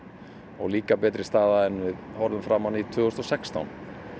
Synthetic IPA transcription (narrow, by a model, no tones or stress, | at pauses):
ɔɣliːkapɛːt̪ɾɪst̪aːðaɛnvɪðhɔɾðʏmfɾamːanit̪ʰvʏːɣʏst̪ɔsɛkst̪a̰wn